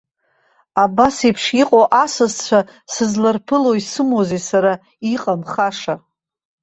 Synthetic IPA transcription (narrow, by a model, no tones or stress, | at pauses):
abasipʰʂiqʼoʔasazt͡ɕʷʰa | sɨzlarpʰɨloisɨmozesaɾa | iqʼamχaʂa